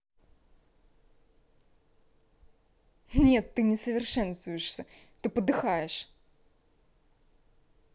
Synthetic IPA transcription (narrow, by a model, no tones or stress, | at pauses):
nʲet̪ːɨnʲɪsəvʲɪrʂɛnst̪vʊjɪʂsʲət̪ɨpəd̪ɨxajɪʂ